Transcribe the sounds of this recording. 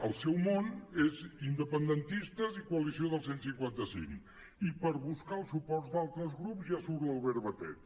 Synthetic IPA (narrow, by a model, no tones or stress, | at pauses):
əlˠsɛwmonezind̪əpənd̪ənt̪ist̪əzikuəlisioðəlˠsensiŋkwant̪əsḭŋ | ipəɾβuskaəlˠsupɔrzd̪alˠt̪ɾəzɣɾupzjasuɾəlˠβəɾβət̪ɛ̰t̪